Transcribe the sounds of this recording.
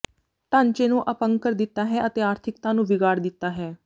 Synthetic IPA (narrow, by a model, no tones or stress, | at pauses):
ʈãːɲt͡ʃeːnũːʔəpəŋɡkəɾd̪ɪt̪ːaːɦɛːʔət̪eːaːɾt̪ʰɪkt̪ãːnũːʋɪɡaːɾd̪ɪt̪ːaːɦɛː